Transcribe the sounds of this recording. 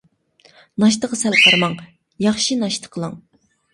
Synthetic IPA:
nɑʃt̪əʁɑsælˠqɑɾmɑŋ | jɑχʃinɑʃt̪ʰə̥qʰəlˠɑŋ

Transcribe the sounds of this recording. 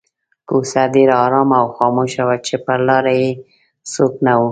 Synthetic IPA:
kusad̪eɾɑɾɑmawxɑmoʃawat͡ʃepəɾlɑɾaje | soknawu

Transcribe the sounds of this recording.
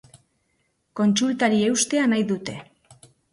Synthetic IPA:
ko̞nt͡sult̪aɾie̞wst̪e̞anajðut̪e̞

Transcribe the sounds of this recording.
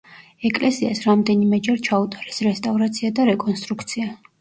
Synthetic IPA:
ɛkʼlɛsiasɾamd̪ɛnimɛd͡ʒɛɾt͡ʃʰaut̪ʼaɾɛsɾɛst̪ʼavɾat̪sʰiad̪aɾɛkʼɔnst̪ʼɾukt̪sʰia

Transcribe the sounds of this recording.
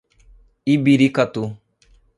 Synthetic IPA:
ibiɾikat̪u

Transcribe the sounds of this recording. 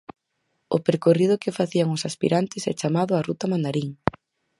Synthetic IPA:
ʊpeɾkorið̞ʊkɪfaθiaŋʊsaspḭɾʔant̪ɪsɛ̰t͡ʃamaðʊarut̪amanaɾiŋ

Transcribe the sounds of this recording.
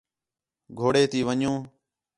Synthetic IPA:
ɡʱoːɽeːt̪iːʋəɲũː

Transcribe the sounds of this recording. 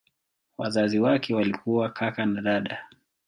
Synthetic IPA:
wazaziwakɛwalikuwakakanaɗaɗa

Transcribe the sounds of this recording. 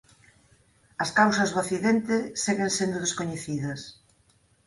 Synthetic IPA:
ɐskawsɐzðoaθiðent̪eseɣeŋsend̪ʊð̞eskoɲeθiðɐs

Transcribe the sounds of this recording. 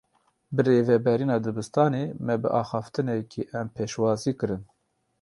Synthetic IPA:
bɨreːvɛbɛɾiːnɑːd̪ɨbɨst̪ɑːneːmɛbɨ̰ʔɑːxɑft̪ɨnɛkʰiʔɛmpʰeːʃwɑːziːkɨɾɨn

